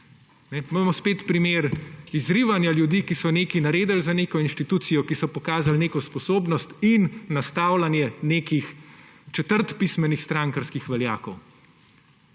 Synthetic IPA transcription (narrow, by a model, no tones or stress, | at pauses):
nɛmamɔspeːt̪pɾimeːɾizɾiʋanjaljud̪iːkisɔneːkinaɾeːd̪əlzaneːkɔinʃt̪it̪uːt̪sijɔkisɔpɔkaːzalneːkɔspɔsoːbnɔst̪inːast̪aːwlanjɛneːkixt͡ʃɛt̪əɾt̪pismɛnixst̪ɾãŋkaɾskixʋɛlja̰ːkɔw